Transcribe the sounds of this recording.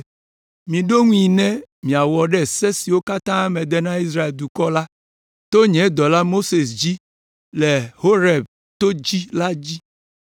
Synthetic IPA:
mĩ˨ɖo˦ŋũ˦i˨nɛ̃˦mĩ˨a˨wɔ˨ɖɛ˦˨sɛ˦si˨wo˦ka˦t̪ã˦mɛ˨d̪ɛ˦nã˦i˦s̬ɾa˦e˨ld̪u˨kɔ˦la˦ | t̪o˦ɲɛ̃˨˦d̪ɔ˨la˦mo˦se˨sd͡ʑi˦ | lɛ˨ho˦ɾɛ˨b̚ | t̪o˦d͡ʑi˦la˦d͡ʑi˦

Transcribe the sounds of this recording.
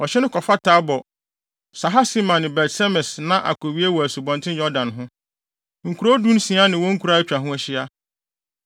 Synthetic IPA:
ɔ˨ɕɛ˦nʊ̃˦kʰɔ˨fa˦tʰaː˨˦bɔ˨ | sa˨ɦa˦si˦mã˨nɪ̃˨bɛ˨tsɛ˦mɛ˨snã˦ʔa̰˨kʰɔ˨ɥi˦e˦wɔ˨æ˨su˨bɔ̃˨ntʰɪ̃˦njɔ˦dã˨nɦʊ̃˦ | ŋ̩˨kʰu˨ɾo˦dũ˦n̩˦sĩ˨˦a˦nɪ̃˨wɔ̃˦ŋ̩˦kʰu˨ɾa˦æ˦t͡ɕᶣɾa˨ɦʊ̃˦æ˨ɕɪ˦a˦

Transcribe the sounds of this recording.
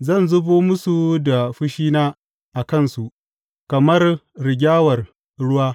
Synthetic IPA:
zɐ˦˨nzʊ˦boː˦mʊ˦su˨da˨ɸɪ˦ʃiː˦naː˦ | ʔa˨kɐ˦˨nsu˨ʔ | kɐ˨mɐ˦rɾɪ˨ɡʲaː˦wɐ˨r | ɽʊ˦waː˦

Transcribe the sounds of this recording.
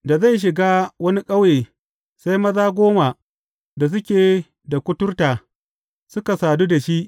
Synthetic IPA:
da˨za˦˨jʃ̬ɪ˨ɡaː˦wɐ˦ni˦kʼɐ˦weː˨ | sa˦jmɐ˦zaː˦ɡʷoː˦ma˨ | da˨s̬ʊ˦kʲeː˨ | da˨kʷʊ˦tʊ˦rtaː˨ | sʊ˦ka˨saː˨duː˦da˨ʃi˦ʔ

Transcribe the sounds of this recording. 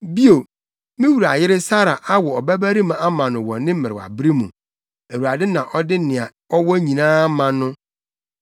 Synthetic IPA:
bi˦o˨ | mɪ̃˦wu˨ɾa˨jɪ˦ɾɪ˦sa˦ɾa˨ʔa˦wɔ˨ɔ˨bæ˦bæ˦ɾi˦mã˨a˦mã˨nʊ̃˨wɔ̰̃˨nɪ̃˦m̩˦mɪ̃˨ɾɪ˨wa̰˨bɾi˦mũ˨ | æ˨wu˨a˨dɪ˦nã˨ʔɔ˦dɪ˦nɪ̃˨a˨ | ɔ˦wɔ˦ɲĩ˨nãː˦mã˨nʊ̃˦

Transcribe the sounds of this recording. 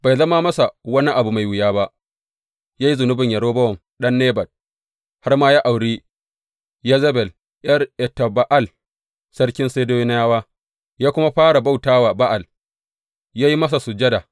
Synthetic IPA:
ba˨jzɐ˦ma˦mɐ˦sa˨wɐ˦ni˦ʔa˨bu˨ma˨jwɪ˨jaː˦ba˦ʔ | jaː˦ji˦zʊ˨nʊ˦bɪ˨ɲjɐ˨ɽoː˦bɐ˦wɔ˨m | ɗɐ˦nːeː˦bɐ˨d̚ | ha˦rmaː˦jaː˦ʔa˨wɽiː˦ | ja˦zɐ˦bɛ˨l | ʔjɐ˦rʔɛ˨tːa˨ba˦ʔa˦˨l | sɐ˦rkʲɪ˦nseː˦doː˦jɪ˦n˦jaː˦waː˦ | jaː˦kʷʊ˦ma˦ɸaː˦ɽa˨ba˦˨wtaː˦waː˨ba˦ʔa˨l | jaː˦ji˦mɐ˦s̬a˨sʊ˨d͡ʒɐ˦da˨

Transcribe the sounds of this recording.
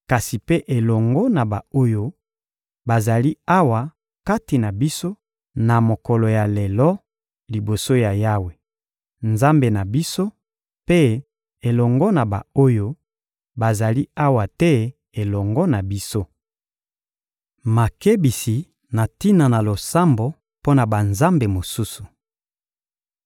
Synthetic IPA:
ka˨si˨pe˦ʔe˨lɔ˨ŋɡɔ˦na˨ba˨o˦jo˦ | ba˨za˨li˦a˦wa˨ | ka˦ti˨na˨bi˦so˦ | na˨mo˨kɔ˨lɔ˨ja˨le˨lɔ˦ | li˨bo˨so˦ja˨ja˦we˨ | nza˦mbe˨na˨bi˦so˦ | pe˦ | e˨lɔ˨ŋɡɔ˦na˨ba̰˨o˦jo˦ | ba˨za˨li˦a˦wa˨tɛ˦ | e˨lɔ˨ŋɡɔ˦na˨bi˦so˦ | ma˨ke˦bi˨si˨ | na˨ti˦na˨na˨lo˨sa˦mbo˨ | po˦na˨ba˨nza˦mbe˨mo˨su˦su˨

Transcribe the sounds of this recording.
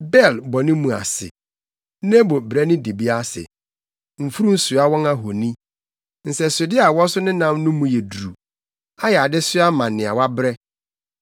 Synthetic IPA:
bɛ˦˨lbɔ˨nɪ̃˦mũ˨a̰˨sɪ̰˨ | n˦ɛ˦bo˨bɾɛ˦nɪ̃˦de˨bi˦a˦sɪ̰˨ | m̩˨fu˦ɾũ˦n̩˦sʊ˨a˦wɔ̃˦ŋa˦ɦo˨nĩ˦ | n̩˨sɛ˨sʊ˨dɪ˦a˨wɔ̃˦sʊ˦nɪ̃˦nã˦mnʊ̃˦mũ˨jɛ˨du˨ɾu˨ | a˦jɛ˨a˨dɪ˦sʊ˦a˦mã˨nːɪ̃˨a˨wa˦bɾɛ˦

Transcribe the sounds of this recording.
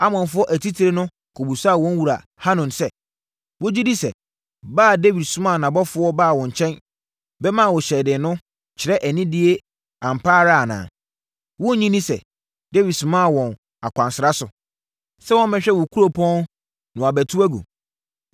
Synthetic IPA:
a˦mɔ̃˨nfʊ˦ɔ˦ʔæ˨tʰi˦tʰi˨ɾe˦nʊ̃˦ | kʰo˨bu˨sa˦˨wɔ̃˦n˦wu˨ɾa˨ | ha˦nɔ̃˨nsɛ˦ | wo˦d͡ʑi˦di˦sɛ̰˨ | baː˦˨de˦wi˨dsʊ̃˦mã˦˨nã˨bɔ˦fʊ˦ɔ˦baː˦˨wɔ̃˨ɲ˨t͡ɕʰɛ̃˦n | bɛ˦mã˦˨wɔ˨ɕɛ˨dɪ˨nʊ̃˦ | t͡ɕʰɪ˨ɾɛ˦ʔæ˨nĩ˦dɪ˦e˦ | ã˨m̩˨pʰaː˦ɾa˦a˨nã̰ː˨ | wɔ̃˦ɲĩ˦nĩ˦sɛ̰˨ | de˦wi˨dsʊ̃˨˦mã˦˨wɔ̃˨n | a˨kʷʰã˨nsɪ˨ɾa˦sʊ˨ | sɛ˦wɔ̃˦m˦mɪ̃˨ɕᶣɛ˦wʊ˨kʰu˦ɾo˦pʰɔ̃˦n | nʊ̃˨a˨bæ˨tʰu˦æ˦ɡo̰˨

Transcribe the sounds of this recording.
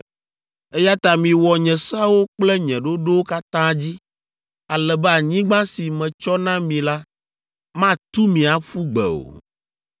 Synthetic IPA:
ɛ˦ja˦t̪a˨mĩ˨wɔ˨ɲɛ̃˨sa˦wo˦k͡plɛ˦ɲɛ̃˨ɖo˦ɖo˦wo˦ka˦t̪ã˦d͡ʑi˦ | a˨lɛ˨bɛ˦a˨ɲĩ˦ɡ͡bã˦si˨mɛ̃˨t͡ʃɔ˦nã˦mĩ˨la˦ | mã˦t̪u˦mĩ˨a˨ɸu˦ɡ͡bɛ̰˨o̰˨

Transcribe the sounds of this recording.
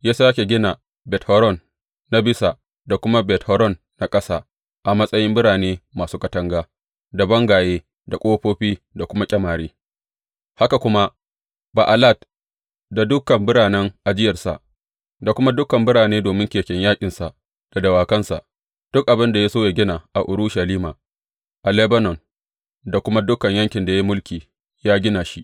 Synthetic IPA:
jaː˦saː˦kʲe˨ɡʲɪ˦na˨ | bɛ˨thɔ˦ɾɔ˦˨nː | a˨˦bɪ˦sa˨ | da˨kʷʊ˦ma˦bɛ˨thɔ˦ɾɔ˦˨nːa˨kʼɐ˦saː˦ | ʔa˨mɐ˦sʼɐ˦jɪ˦mbɪ˦ɽaː˨neː˦maː˨suː˦kɐ˨tɐ˦ŋɡaː˦ | da˨bɐ˦ŋɡaː˨jeː˦ | da˨kʷʼoː˦ɸoː˦ɸiː˦ | da˨kʷʊ˦ma˦kʲʼɐ˦maː˨ɽeː˦ | ha˦ka˨kʷʊ˦ma˦ | ba˨ʔa˨la˦˨t̚ | da˨dʊ˦kɐ˨mbɪ˦ɽaː˨nɛ˦ŋʔa˨d͡ʒɪ˦jɐ˨rsa̰˨ʔ | da˨kʷʊ˦ma˦dʊ˦kɐ˨mbɪ˦ɽaː˨neː˦doː˨mɪ˦ŋkʲeː˨kʲɛ˦ɲjaː˦kʲʼɪ˨nsa˨ʔ | d̥a˨dɐ˨waː˨kɐ˦nsa̰˨ʔ | d̥ʊ˦k̚ʔa˨bɪ˦nda˨ja˦soː˦ja˨ɡʲɪ˦naː˨ʔa˨ʔʊ˨ɾʊ˦ʃa˨liː˦maː˨ | ʔa˨lɛ˦bɐ˦nɔ˨n | da˨kʷʊ˦ma˦dʊ˦kːɐ˨ɲjɐ˦ŋkʲɪ˨nda˨ji˦mʊ˦lkʲiː˨ | jaː˦ɡʲɪ˦naː˨ʃi˦ʔ

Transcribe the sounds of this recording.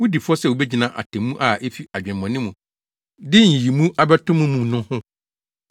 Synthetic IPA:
wʊ˦di˨fʊ˦ɔ˦sɛ˦˨wo˨bɛ˦d͡ʑi˨nã˨ʔa̰˨tʰɛ̃˨mũ˦ʔa˨ʔe˦fi˦a˨d͡ʑᶣɛ̃˨m˨ɔ̃˨nɪ̃˦mũ˨ | dɪ˦˨ĩ˨ji˨mũ˦ʔa˦bɛ˦tʰʊ̃˦mũ˦mũ˨nʊ̃˦hʊ̃˦

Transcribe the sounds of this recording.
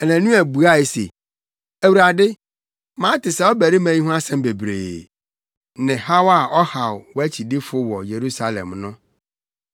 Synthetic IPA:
ɛ˨næ̃˨nũ˦æ˨bu˨a˦˨e˨sḛ˨ | æ˨wu˨ɾa˨dɪ˦ | mã˦tʰɪ˨sɛ˦ɔ˦bæ˨ɾi˦mæ̃˨ɲĩ˦ɦʊ̃˦a˦sɛ̃˦mbe˨bɾḛː˨ | nɪ̃˨ha˦wa˦˨ʔɔ˦ha˨wwæ˦t͡ɕʰi˨dɪ˦fʊ˦wɔ˨je˨ɾu˦sa˦lɛ̰˨mnʊ̃˦

